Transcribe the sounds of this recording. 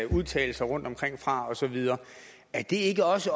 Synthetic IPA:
uðˠt͡sʰɛ̰ːl̩sɐʁɔ̽n̰d̥ɒ̽mkʰʁeŋ̰fʁɑ̈ɒ̽sɒ̽ʋið̞ˠɐː | æd̥e̝e̝ɡ̥əɒ̽sə

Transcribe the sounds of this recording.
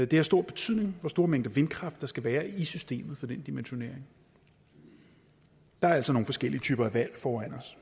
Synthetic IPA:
d̥e̝hæɐsd̥o̝ɐ̰b̥e̝̥t͡sʰyð̰ˠne̝ŋʋɒsd̥o̝ːɐmeŋ̰d̥ʋe̝nkʰʁɑ̈fd̥ɑ̈sɡ̥æʋæːɐisysd̥e̝̰ːmð̩ˠfɒ̽d̥end̥imenɕo̝ne̝ɐ̰eŋ | d̥ɑ̈æɐæl̰sɒ̽no̝ːŋn̩fɒ̽sɡ̥el̰iət͡sʰyːb̥ɐæʋæl̰fɒːæn̰ɒs

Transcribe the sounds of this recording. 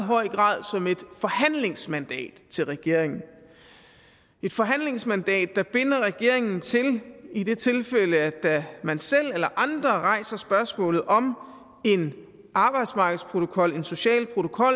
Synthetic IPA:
ɦɒ̽ɪ̰ɡ̥ʁɑ̰̈ːð̰ˠsɒ̽me̝d̥fɒ̽hæn̰le̝ŋsmænd̥ɛ̰ːd̥t͡sʰe̝lʁɛɡ̥e̝ɐ̰e̝ŋn̩ | e̝d̥fɒ̽ɦæn̰le̝ŋsmænd̥ɛ̰ːd̥ːæb̥e̝nɐʁɛɡ̥e̝ɐ̰e̝ŋn̩t͡sʰe̝lid̥e̝t͡sʰe̝lfeləæd̥æmænsel̰elɐʔɑ̈nd̥ʁɐʁɑ̈ɪ̰sɐsb̥ɶɐsmɔ̰̽ːlð̩ˠʔɒ̽m | e̝n | ʔɑ̈ːb̥ɑ̈ɪd̥smɑ̈ːɡ̥ð̩ˠspʰʁo̝t͡sʰo̝kʰɒ̽le̝nso̝ɕɛ̰ːlpʰʁot͡sʰo̝kʰɒ̽l

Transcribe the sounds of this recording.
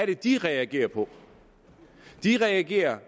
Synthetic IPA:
ɐɾ̥ed̥iʁɛæɡ̥e̝̰ːɐpʰɒ̽ | d̥iʁɛæɡ̥e̝̰ːɐ

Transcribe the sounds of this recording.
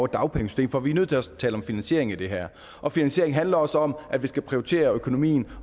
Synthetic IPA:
ʊd̥ɑ̈ʊpʰeŋəsy̥sd̥e̝ːmfɒʋinøð̰ˠt͡sʰe̝ɒst͡sʰɛːlɒ̽mfinænɕe̝ɐ̰eŋid̥e̝ɦæɐ̰ | ʔɒ̽finænsɕe̝ɐeŋɦænlɐɒ̽sɒ̽mʔæd̥ʋisɡ̥æpʰʁioit͡sʰe̝̰ːɐøkʰo̝no̝mḭːn̩

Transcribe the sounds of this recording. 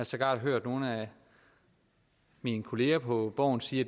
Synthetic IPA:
ɑsɒɡ̥ɑ̰̈ːd̥ɦøɐ̰d̥no̝ːn̩æ | minkʰo̝le̝ːɐpʰɒ̽b̥ɒ̰ːn̩siːɐ

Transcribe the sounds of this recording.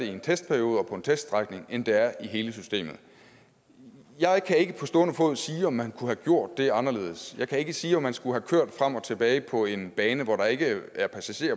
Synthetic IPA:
eie̝nt͡sʰesd̥̚pʰæɐijo̝ːð̞ˠɒ̽pʰɒ̽e̝nt͡sʰesd̥ʁaɡ̥ne̝ŋend̥eæɐiɦe̝ːləsysd̥e̝̰ːmð̩ˠ | jɑ̈ɪkʰæe̝ɡ̥əpʰɒ̽sd̥ɔːnəfɔ̽ð̰ˠsiːɒ̽mːænkʰuhæɡ̥jo̝ɐ̰d̥̚ːe̝ɑ̈nɐle̝̰ːð̩̰ˠsjɑ̈ɪkʰæe̝ɡ̥əsiːɒ̽mːænsɡ̥uɦækʰøɐ̰d̥fʁam̰ɒ̽t͡sʰe̝b̥ɛːɪpʰɒ̽e̝nb̥ɛːnəʋɒɾɑ̈e̝ɡ̥əæɐpʰæsæɕe̝̰ːɐ

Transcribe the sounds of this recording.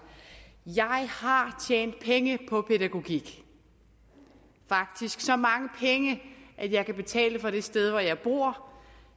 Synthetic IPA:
jɑ̈ɪhɑ̈t͡ɕʰjḛːnd̥̚pʰeŋəpʰɒ̽pʰeɾæɡ̥o̝ɡ̥iɡ̥ | fɑ̈ɡ̥̚d̥isɡ̥sɒ̽mɑ̈ŋəpʰeŋəʔæd̥jɑ̈ɪkʰæb̥e̝t͡sʰɛ̰ːləfɒ̽ɾ̥e̝sd̥eð̞ˠʋɒjɑ̈ɪb̥uɐ̰

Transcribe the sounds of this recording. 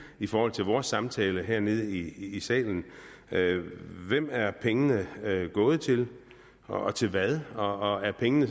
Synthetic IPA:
ifɒːhɒ̽l̰t͡sʰe̝lʋɒːsːɑ̈mt͡sʰɛːləɦeɐ̰ne̝ð̞ˠiːsɛ̰ːln̩ | øʋem̰æɐpʰeŋənəɡ̥ɔ̽ːð̞̩ˠt͡sʰe̝l | ɒ̽t͡sʰe̝lʋæðˠɒ̽ɒæɐpʰeŋənə

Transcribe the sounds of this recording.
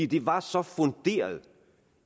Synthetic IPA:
d̥e̝ʋɑ̈sɒ̽fɔnd̥e̝̰ːɐð̩ˠ

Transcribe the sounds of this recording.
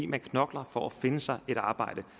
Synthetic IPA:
ḭːmænkʰnɒ̽ɡ̥lɐfɒæfe̝nəsɑ̈ɪe̝ɾ̥ɑ̈ːb̥ɑ̈ɪ̰ɾ̥ə

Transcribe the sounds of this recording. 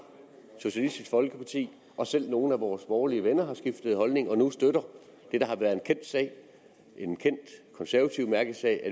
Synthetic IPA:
so̝ɕælisd̥isɡ̥fɒ̽lɡ̥əpʰɑ̈t͡sʰḭː | ʔɒ̽sel̰no̝ːn̩æʋɒːsb̥ɒːliəʋenɐɦɑ̈sɡ̥ifd̥əð̞̩ˠhɒ̽lne̝ŋɒ̽nusd̥øɾɐ | d̥e̝d̥ɑ̈ɦɑ̈ʋæɐðˠe̝nkʰen̰d̥sɛ̰ɪ̰ | ʔe̝nkʰen̰d̥kʰɒ̽nsæɐʋæt͡sʰiʊmæɐɡ̥ð̩ˠsɛ̰ɪæ

